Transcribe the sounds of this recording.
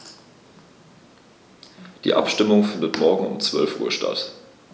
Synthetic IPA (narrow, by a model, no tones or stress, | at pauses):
d̥ḭːʔa̰pʃtɪmʊŋfɪndətmɔɐɡŋ̩ʊmt͡sv̥œ̰lfʔuːɐʃta̰t